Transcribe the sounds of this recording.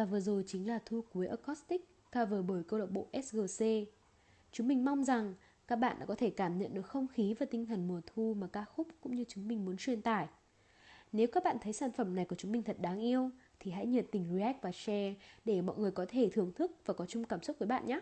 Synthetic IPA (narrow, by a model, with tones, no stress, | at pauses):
vaː˨˩vɨ˨˩zo˨˩jt͡ɕï˨˦ŋ̟laː˨˩t̪ʰu˧ku˨˦əjʔəː˧˩kɔ˦˥st̪i˦˥k̚ːaː˧vəː˨˩ɓo˧˩jkə˧wɗə˨˩wk͡p̚ɓo̰˧˨ʔɛ˦˥sɣəː˧˩se˧ | t͡ɕʊ˨˦ŋ͡mmï˨˩ŋ̟ma˧wŋ͡mza˨˩ŋ | kaː˦˥k̚ɓa̰ː˧˨nɗa̰ː˧˥kɔ˨˦t̪ʰe˧˩kaː˧˩mɲə̰˧˨nɗɨ˨˩ək̚xə˧wŋ͡mxi˨˦vaː˨˩t̪ï˧ŋ̟t̪ʰə˨˩ŋmu˨˩ət̪ʰu˧maː˨˩kaː˦˥xʊ˦˥p̚kʊ̰˧˥ŋ͡mɲɨ˧t͡ɕʊ˨˦ŋ͡mmï˨˩ŋ̟mu˨˦ənt͡ɕwi˧ənt̪aː˧˩j | ne˨˦wkaː˦˥k̚ɓa̰ː˧˨nt̪ʰə˨˦jsaː˧˩nfə˧˩mna˨˩jku˧˩ət͡ɕʊ˨˦ŋ͡mmï˨˩ŋ̟t̪ʰə˨˩t̚ɗaː˨˦ŋʔi˧əwt̪ʰi˨˩ha̰˧˥jɲə˨nt̪ï˧˩ŋ̟ɹi˧ʔɛ˦˥k̚vaː˨˩sɛ˧ɗe˧˩mɔ̰˧˨jŋɨ˨˩əjkɔ˨˦t̪ʰe˧˩t̪ʰɨ˧˩əŋt̪ʰɨ˦˥k̚vaː˨˩kɔ˨˦t͡ɕʊ˧ŋ͡mkaː˧˩msʊ˦˥vəː˨˦jɓa̰ː˧˨nɲaː˦˥